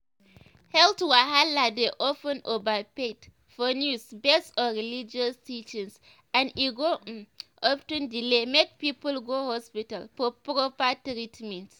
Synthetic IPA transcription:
hɛltwaɦaladeʔɔfə̃nobapet | fɔnjusbɛstɔɹilid͡ʒɔstit͡ʃĩns | ãniɡoʔɔftũndilemek̚pipəlɡohɔspitalfɔpɾɔpatɾitmĩnt

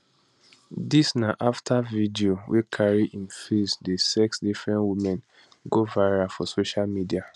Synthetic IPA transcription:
disnaʔaftʰavidiowʔekʰaɹiʔĩnfisdesɛksdifɹɛ̃nwimɛ̃n | ɡovaɹafɔsoʃalmidia

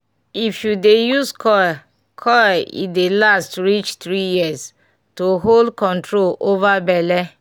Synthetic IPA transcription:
ifjudejuskʰɔ | kʰɔḭdelastɹit͡ʃt̪ɾijias | toɦoldkɔ̃ntɹolovabɛlɛ

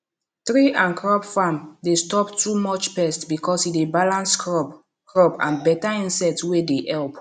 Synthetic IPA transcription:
θɹiʔãnkʰɹɔbfãmdestɔptʰumɔt͡ʃpɛstbikɔsidebalãnskɹɔb | kɹɔpã̰nbɛtaĩnsɛk̚tswedeʔɛlp

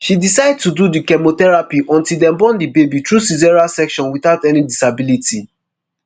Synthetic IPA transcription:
ʃidisaɪd̚tududikɛmotɛɹapiʔɔ̃ntildɛ̃mbɔ̃ndibebitɹusizɛɹasɛkʃɔ̃nwiθaʊtɛnidisabiliti

